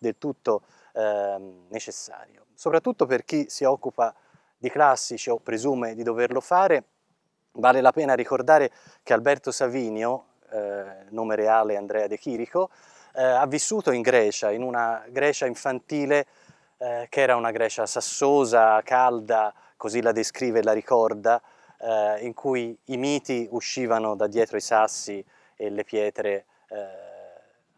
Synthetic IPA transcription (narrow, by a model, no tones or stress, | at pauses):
d̪elt̪ut̪ːo | net͡ʃesːa̰ːɾjo | sopɾat̪ːut̪ːoperk̟isiɔkːupa | d̪iklasːit͡ʃiopːɾezuːmed̪id̪overlofaːɾe | vaːlelapɛːnaɾikord̪aːɾe | kealbɛrt̪osaviːnjo | noːmeɾeaːleand̪ɾɛːad̪ek̟iːɾiko | avːisːuːt̪oiŋɡɾɛːt͡ʃainunaɡɾɛːt͡ʃaiɱfant̪iːle | kɛːɾaunaɡɾɛːt͡ʃasasːoːzakald̪a | kozilad̪eskɾiːvelaɾikɔrd̪a | iŋkʰujimiːt̪iuʃːiːvanod̪ad̪jɛːt̪ɾoisasːi | elːepjɛːt̪ɾe